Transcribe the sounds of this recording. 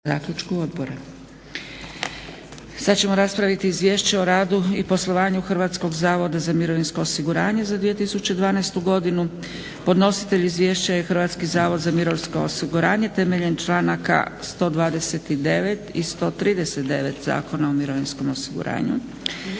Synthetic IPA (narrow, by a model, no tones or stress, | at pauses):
aːkʎʲut͡ʃkuod̪bo̞ɾa | sad̪t͡ɕe̞mo̞ɾaspɾaʋit̪iːzʋje̞ːʃt͡ɕeo̞ɾaːd̪uipo̞slˠo̞ʋaːɲuxr̩ʋaːt̪sko̞ɡzaːʋo̞d̪azamiɾo̞ʋinsko̞osiɡuɾaːɲe̞zad̪ʋije̞t̪isut͡ɕed̪ʋaːnast̪uɡo̞d̪inu | po̞d̪no̞si̥t̪e̞ʎizʋje̞ːʃt͡ɕajexrʋaːt̪skizaːʋo̞d̪zamiɾoʋsko̞osiɡuɾaːɲe̞t̪e̞me̞ʎe̞nt͡ʃlˠaːnaka̰st̪o̞d̪ʋaːd̪ese̞t̪id̪e̞ʋe̞t̪ist̪o̞ːt̪ɾiːd̪eset̪d̪e̞ʋe̞t̪za̰ːko̞naomiɾo̞ʋinsko̞mo̞siɡṵɾa̰ːɲṵ